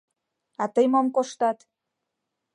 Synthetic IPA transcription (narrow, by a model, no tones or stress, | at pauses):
ɑt̪əjmomkoʃt̪ɑt̪